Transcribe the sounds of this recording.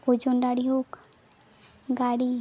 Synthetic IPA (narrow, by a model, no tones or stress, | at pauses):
od͡ʒonɖaɽiɦok | ɡaɽi